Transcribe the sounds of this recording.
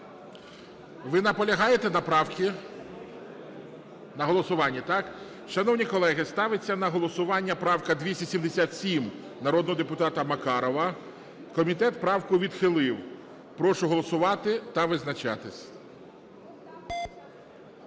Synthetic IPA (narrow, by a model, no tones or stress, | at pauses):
ʋɪnɐpɔlʲɐɦɑjet̪ɛnɐpkʲi | nɐɦɔlˠɔsʊʋɑnʲːit̪ɑk | ʃɐnɔwnʲikɔlˠɛɦɪst̪ɑʋɪt͡sʲːɐnɐɦɔlˠɔsʊʋɑnʲːɐpɾɑwkɐd̪ʲʋʲisʲtʲɐsʲimd̪esʲat̪sʲim | nɐɾɔd̪nɔɦɔd̪epʊt̪ɑt̪ɐmɐkɑɾɔʋɐ | kɔmʲit̪ɛt̪pɾɑwkʊʋʲid̪xɪlˠɪw | pɾɔʃʊɦɔlˠɔsʊʋɑt̪ɪt̪ɐʋɪznɐt͡ʃɑ̰t̪ɪsʲ